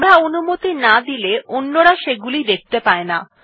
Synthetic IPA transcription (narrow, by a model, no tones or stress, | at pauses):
ɽaonumot̪inad̪ileʔonːoɽaʃeɡulid̪ek̚t̪epaena̰